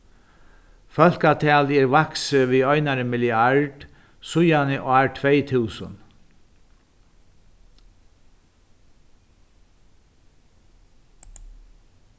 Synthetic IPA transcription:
fœl̥kat̪ʰɛːlɛɾʋaksəʋiɔjnaɾəmɪlɪaɹɖ̥ | sʊjanɪʔaːɹʈʰvɛjt̪ʰuːsʊ̰n

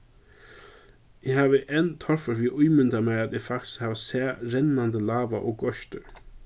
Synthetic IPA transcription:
ɪɦaːʋəʔɛnt̪ʰɔɹfəɹviːʔʊjmʏnd̪amɛɾat̪ɪfakt̪ɪ̥shaːvasɛːɾɛnːand̪əlaːʋaʔɔkɡɔʃt̪ə

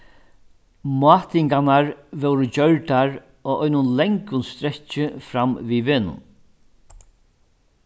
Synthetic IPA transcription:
mʊɑːt̪ɪŋkanaɾʋɛwɾət͡ɕœɹʈ̪aɾ | ɔːʔɔjnʊnlɛŋkʊnst̪ɾɛt͡ʃːɪfɾamviːʋeːnʊ̰n

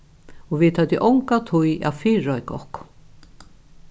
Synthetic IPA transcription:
ɔʋɪt̪hat̪jɪʔɔwŋkat̪ʰuja̰fɪːɾɔjkɔ̰hkʊ̥

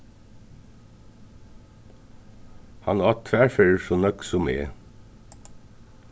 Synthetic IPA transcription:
hɑnɑːt̪ʰʋæːfeɹsoːnœksʊmḛː

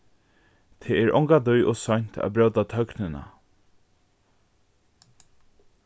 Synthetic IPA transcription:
t̪ʰeːɛɹɔ̰ŋkad̪ujʔɔsɔjn̥t̪ʰa̰bɾœwt̪at̪ʰœknɪna̰

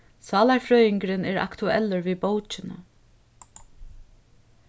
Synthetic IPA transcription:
sɑːlaɹfɾœːjɪŋkɾɪnɛːɹa̰kt̪ʊɛ̰lːəɹʋiːbowt͡ʃɪnə̰

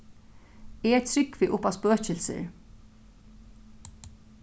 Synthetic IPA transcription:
ɛt̪ʰɾʏkːviʔʊpawspøːt͡ɕɪlsɪ̰ɹ

